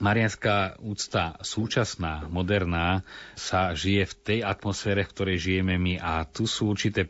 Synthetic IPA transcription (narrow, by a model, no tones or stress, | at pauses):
maɾɪjanskaːuːt͡st̪asuːt͡ʃasnaːmɔd̪ɛɾnaːsaʒijɛft̪ɛjat̪mɔsfɛːɾɛfkt̪ɔɾɛjʒijɛmɛmiʔat̪usuːuɾt͡ʃit̪ɛː